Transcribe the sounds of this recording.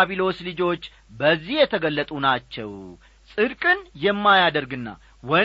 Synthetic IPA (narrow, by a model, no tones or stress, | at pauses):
aβilo̞slɨd͡ʒo̞t͡ʃː | bəzːihjɛt̪ʰəɡəlːət̪ʼunat͡ʃːɛ̰w | sʼɨd̪kʼɨnjɛmːajad̪əɾɡɨnːa̰ | wɔ